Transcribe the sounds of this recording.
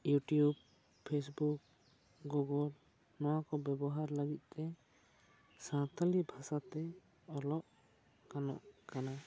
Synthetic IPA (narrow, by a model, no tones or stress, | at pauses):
juʈijub | pʰːesbuk̚ | ɡuɡɔl | nɔwakɔbjɛbɔɦaɾləɡit̪̚ˀt̪ɛ | sãt̪ʰalibʱasat̪ɛ | ɔlɔʔ | kanɔ̰ʔkana